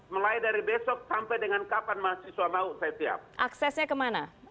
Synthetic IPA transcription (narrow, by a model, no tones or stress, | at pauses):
məlaidaɾibesɔk̚sampɛjdəŋankapanmaɦasiswamauʔsajat̪ia̰p̚ʔaksɛsɲakəmana